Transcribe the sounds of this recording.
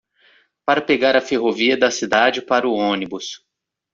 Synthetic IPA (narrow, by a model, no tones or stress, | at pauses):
paɾɐpeɡaɾɐfeɦoviɐd̪ɐsid̪ad͡ʒɪpaɾʊõnibʊs